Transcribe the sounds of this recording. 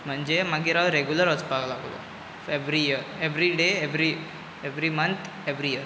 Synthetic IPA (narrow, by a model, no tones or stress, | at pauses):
m̤əɳd͡ʒemaɡiɾaʋɾeɡjuləɾət͡sbaɡlaɡlo̰ | eʋɾijiəɾeʋɾiɖeeʋɾi | eʋɾimənt̪ʰ | eʋɾiiəɾ